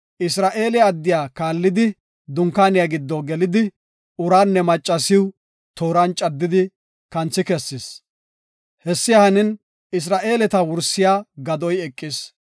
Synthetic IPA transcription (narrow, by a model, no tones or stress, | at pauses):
ʔɪsɾaːʔe̞ːlɪːd̪ːɪjaːkaːlːɪd̪ɪ | d̪ʊŋkːaːnɪjaːɡɪd̪ːɔɡɛlɪd̪ɪ | ʊɾaːnːɛmɐt͡ʃʼːɐsɪw | t̪oːɾɐnt͡ʃʼɐd̪ːɪd̪ɪ | kɐnt͡sːɪkɛsːɪs | hɛsːɪjahɐnɪn | ɪs̬ɾaːʔe̞ːlɛt̪ɐwʊɾsɪjaːɡɐd̪ɔjɛkʼːɪs